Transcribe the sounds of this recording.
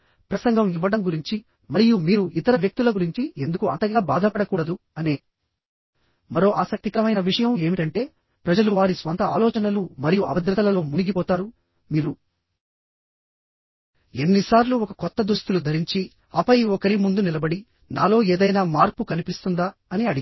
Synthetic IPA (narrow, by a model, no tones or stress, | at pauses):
pɾɐsɐŋɡʱɐmiʋːɐɽɐmɡuɾiɲt͡ʃi | mɐɾijumiːɾuit̪ɐɾɐʋjɐk̚t̪ulɐɡuɾiɲt͡ʃiend̪ukuɐnt̪ɐɡaːbaːd̪ʱɐpɐɽɐkuːɽɐd̪u | ɐneː | mɐɾo̞ːʔaːsɐk̚t̪ikɐɾɐmɐjnɐʋiʂɐjɐme̞ːmiʈɐɳʈe̞ː | pɾɐd͡ʒɐluʋaːɾisʋɐnt̪ɐaːlɔːt͡ʃɐnɐlumɐɾijuʔɐ̰bɐd̪ɾɐt̪ɐlɐlo̞ːmuniɡipɔːt̪aːɾu | miːɾu | e̞nːisaːɾluɔkɐkɔt̪ːɐd̪ɾust̪ulud̪ʱɐɾiɲt͡ʃi | ɐpɐjɔkɐɾimund̪unilɐbɐɽi | na̰ːlo̞ːeːd̪ɐjnaːmaːɾpukɐnipist̪und̪aːɐniɐɽi